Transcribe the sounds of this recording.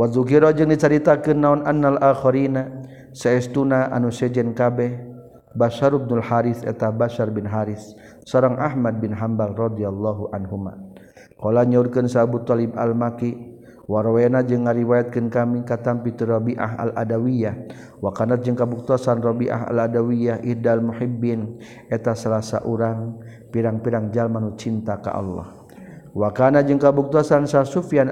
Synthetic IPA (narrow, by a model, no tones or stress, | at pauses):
wazuk̬iɾɔd͡ʒɨŋdit͡ʃaɾit̪akɨnːaunanːalaxɔɾina | saɛst̪unaʔa̰nusɛd͡ʒɛnkabɛh | baʃaɾub̚nulhaɾiθɛ̰t̪abaʃarbɪnɦaɾɪs | sɔɾaŋʔaɦmad̚bɪnɦambalrɔd̪ialːaɦuʔanɦuma̰ | kɔlaɲaurkɨnsabut̪ɔliba̰lmaki | waɾowenad͡ʒɨŋːaɾiwajat̪̚kənkamikat̪ampit̪uɾɔbiʔa̰ɦa̰lʔa̰dawijah | wakanat̪̚d͡ʒɨŋkabuk̚t̪asanrɔbiʔa̰ɦa̰ladawiahʔidalmuħibːin | ɛt̪asalasa̰ʔuɾaŋ | piɾaŋpiɾaŋd͡ʒalmanut͡ʃint̪aka̰ʔɑ̰lːɔ̰h | wakanat̪̚d͡ʒɨŋkabuk̚t̪uasansarsufjan